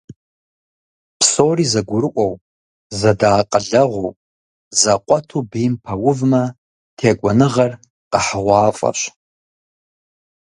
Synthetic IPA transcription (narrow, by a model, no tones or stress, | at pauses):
pʰsorizaɡʷʊɾɨʔʷʼawpʼ | zadaːqʼəɮaʁʷowpʼ | zaqʷʼatʰubimpʰawʊvma | tʰeɡʷanɨʁar | qʼaħʁʷaːfʼa̰ʃʷ